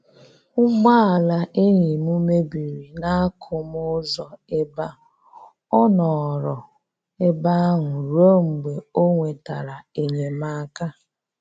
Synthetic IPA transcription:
ʊ˦ɡ͡ba˦a˨la˨ʔe˦ɲi˨mu˦me˦bi˨ɾi˨na˦a˦kʰʊ˦m˦ʊ˦zɔ˨e˦ba˦ | ɔ˦nɔ˨ɾɔ˨ | e˦ba˦ŋʊ˨ɾo˦ŋ͡m̩˨ɡ͡be˨o˦ŋʷe˨ta˨ɾa˨e˨ɲe˨ma˦a˦ka˦

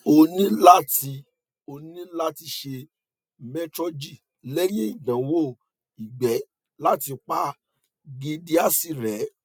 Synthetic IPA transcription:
o˧nĩ˦la˦ti˧ | o˧nĩ˦la˦ti˧ʃe˧ | mɛ˦tɾɔ˧d͡ʒi˦˨ | lɛ˦jĩ˦i˦˨dã˨wo˦˨ | i˨ɡ͡bɛ˨˦ | la˦ti˧k͡pa˦ | ɡi˧di˦a˦si˦˨ɾɛ˨˦

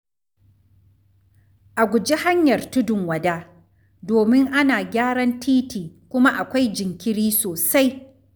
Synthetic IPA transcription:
ʔa˨ɡʷʊ˨d͡ʒi˦ha˦ɲjɐ˨rtʊ˦dʊ˨ŋwɐ˨daː˦ | doː˨mɪ˦ŋʔa˦naː˨ɡʲaː˦ɽɐ˦ntʰiː˦tiː˨ | kʷʊ˦ma˦ʔa˨kʷa˦jd͡ʒɪ˨ŋkʲɪ˦ɽiː˦soː˨sa˦j

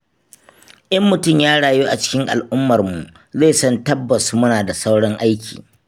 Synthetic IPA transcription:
ʔɐ˦mːʊ˨tʊ˦mjaː˦ɽaː˨juː˦ʔa˨t͡ʃɪ̥˦kʲɪ˦ŋʔa̰˨lʔʊ˦mːɐ˨rmu˨ʔ | ze˦˨sɔ˦ntɐ˦bːɐ˨su˨˦mʊ˦naː˨da˨sa˦wɽɔ˦ŋʔa˦jkʲʰḭː˨

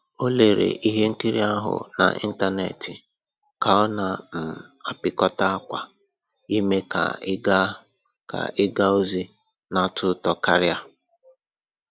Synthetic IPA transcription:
o˦le˨ɾḛ˨ʔi˦ɦe˦ŋ̩˦ki˦ɾḭ˦a˦ɦʊ̰˨na̰˨ʔḭ˦n̩˦ta˦ne˨tɪ˨ | ka˨ɔ˦na˨n̩˨a˨pɪ˨kɔ˦ta˦a˦kʷa˨ | i˦me˦ka̰˨ɪ˦ɡa˦ | ka̰˨ʔɪ˦ɡa˦o˦zi˦ | na˦tʰʊ˦tɔ˨ka˦ɾja˦

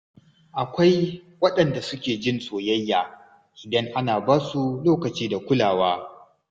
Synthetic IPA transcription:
ʔa˨kʷa˦j | wɐ˦ɗɐ˨nda˨sʊ˦kʲeː˨d͡ʒɪ˦nsʼoː˨jɐ˦jːaː˨ | ʔɪ˨dɐ˦ŋʔa˦naː˨baː˦su˦loː˦kɐ˨t͡ʃiː˦da˨kʷʊ˦laː˨waː˦

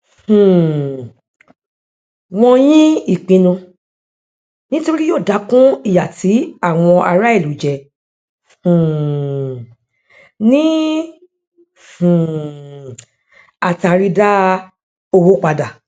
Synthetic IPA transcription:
hũ˨ | w̃ɔ̃˧jĩ˦i˦˨k͡pĩ˧nũ˧ | nĩ˦to˧ɾi˦joː˦˨da˨˦kũ˦i˦˨ja˨ti˨˦a˦˨w̃ɔ̃˧ʔa˧ɾa˦e˦˨lu˨d͡ʒɛ˨ | hũ˨ | nĩ˦ | hũ˨ | a˦˨ta˧˨ɾi˧da˦ | o˧wo˦k͡pa˧da˨

